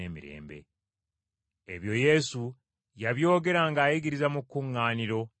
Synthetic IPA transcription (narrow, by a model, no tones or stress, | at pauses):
eːmḭɾe̞̰ːmbe̞̰ | eβjo̞je̞su | jaβjo̞ːɡe̞ɾaŋɡaːjiɡiɾizamukːuŋːaːniɾo̞